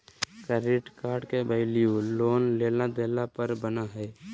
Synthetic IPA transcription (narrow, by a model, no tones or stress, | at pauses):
kəɾiʈkaɾɖkebəɪlijulonlelad̪elapəɾbənaɦəj